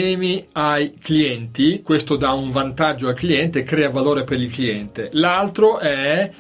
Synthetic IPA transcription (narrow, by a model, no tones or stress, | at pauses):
ɛːmiajkliɛnt̪ikwest̪od̪auɱvant̪ad͡ʒːoalkliɛnt̪eːkɾɛːavaloːɾepeɾilkliɛnt̪elalt̪ɾoʔɛ